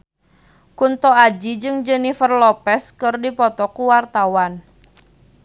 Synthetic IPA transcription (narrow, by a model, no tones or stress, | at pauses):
kunt̪ɔad͡ʒid͡ʒɨŋd͡ʒɛnifərlɔpɛskɨrdipɔt̪ɔkuwart̪awan